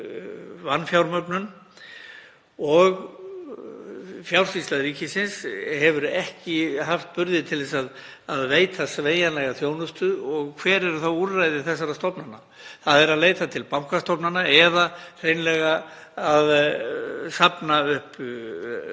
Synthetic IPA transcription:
vanːfjawɾmœpnʏn | ɔɣ | fjawɾ̥sislaðɾiːcɪsɪnsɦɛvʏɾɛhcɪɦaft̪pʏɾðɪt̪ʰɪlðɛsað | aðveːjt̪ʰasveːjanlɛɣaθjoːwnʏst̪ʏɔɣkʰvɛːɾɛɾʏθawuɾrajðɪθɛs̬ːaɾast̪ɔpnana | θaðɛɾaðleːjt̪at̪ʰɪlpawmkast̪ɔpnanaɛðar̥ejnlɛɣa | að | sapnaʏhp

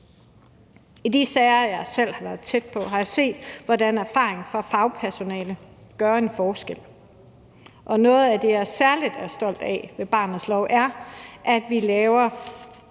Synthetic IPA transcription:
id̥isɛɪɐjɑɪsel̰hɑ̈ʋæɐð̞̩ˠt͡sʰed̥̚pʰɒ̽ɦɑ̈jɑ̈se̝̰ːd̥ʋɒdænæɐfɑ̰̈ːeŋfɒ̽fɑ̈ʊpʰæɐso̝nɛ̰ːləɡ̥ɶːɐe̝nfɒːsɡ̥el̰ | ʔɒ̽nɔ̽ːð̞̩ˠæd̥ejæsæɐlid̥æɐsd̥ɒ̽l̰d̥ɛ̰ʋe̝b̥ɑ̈ːnð̩ˠslɒʊ̰ʔæɐʔæd̥ʋilɛːʊɐ

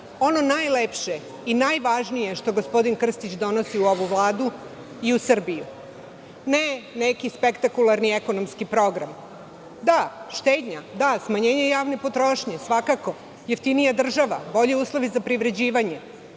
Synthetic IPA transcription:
o̞no̞najlepʃe | inajʋaʒnije̞ʃt̪o̞ɡospo̞d̪inkr̩st̪it͡ɕd̪o̞nosiuo̞ʋuʋlˠaːd̪u | iusr̩biju | nenekispekt̪akulˠaɾnieko̞nomskipɾo̞ɡɾam | d̪aʃt̪eːd̪ɲad̪asmaɲeːɲejaːʋnepo̞t̪ɾo̞ʃɲe̞sʋakako̞ | jeft̪inijad̪r̩ʒaʋabo̞ʎeuːslˠo̞ʋizapɾiʋɾe̞d͡ʑiːʋaɲe

